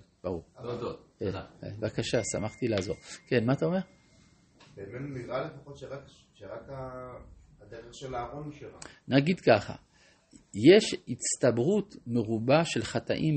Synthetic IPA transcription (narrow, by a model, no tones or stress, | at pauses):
b̥aʁuʁd̪okeḛvakaʃasa̰maχt̪ilaːzo̞ʁke̞nmat̪ao̞me̞ʁ | beːmenuniʁalefaχo̞t̪ʃeʁak | ʃeʁaka | ad̪eʁeχʃelaːʁo̞niʃeʁanaɡid̪kaχa̰ | jeʃist̪abʁut̪meʁubaʃe̞lχat̪a̰ʔim